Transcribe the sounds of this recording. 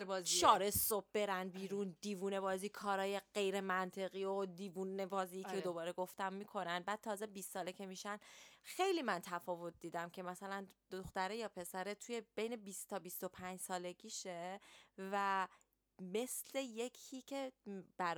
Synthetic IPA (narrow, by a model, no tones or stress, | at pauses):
ʃɒːɾesob̚be̞ɾænbiːɾund̪iːvuːne̞bɒːziːkʰɒːɾɒːje̞ɢe̞jɾe̞mænt̪ʰe̞ɣiod̪iːvunebɒːziːed̪o̞bɒːɾe̞ɡo̞ft̪æmːikʰo̞nænbæːd̥̪̚t̪ʰɒːzebist̪sɒːlecʰe̞miʃænxe̞jliːmænt̪ʰæfɒːvo̞t̪̚ʰd̪iːd̪æmcʰe̞mæsælænd̪̥o̞xt̪æɾejɒːpʰe̞sæɾet̪ʰuje̞b̥e̞jne̞bistt̪ʰɒːbist̪o̞pʰæɲd͡ʒsɒːle̞ɡiːʃevæ | me̞sle̞je̞cʰiːcʰe̞b̥æɾ